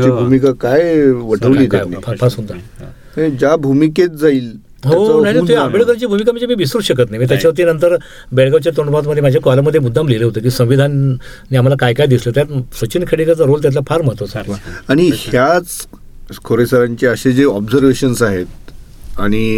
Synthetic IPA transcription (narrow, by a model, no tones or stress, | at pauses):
t͡ɕibʱumikakajʋəʈ̪ʰəʋliːt̪napapʰasunt̪a | ed͡ʑabʱumiket̪̚d͡zaiːl | ɦonaɦinaiapeɽkəɾat͡ɕiːbʱumik̬aməɳd͡ʑemiːʋisɾuːɕəkət̪naɦjmiːt̪jat͡ɕat̪̬inənt̪əɾ | beɽɡaʋt͡ɕjat̪oɳpat̪məd̪ʱːjemad͡ʑʱjakɔlaməd̪ʱjemud̪ʱːamleleɦot̪ek̬iːsə̃w̃ʋid̪ʱanː | iːam̤alakajkajd̪islet̪jat̪sət͡ɕinkʰeɽikat͡saɾolt̪jat̪lapʰaɾməɦət̪osaaɽ̃ihjat͡s | kʰoɾesəɾãɲt͡ɕeəɕed͡zeɔbd͡zəɾʋeɕənsaɦet̪̚ | aɽ̃i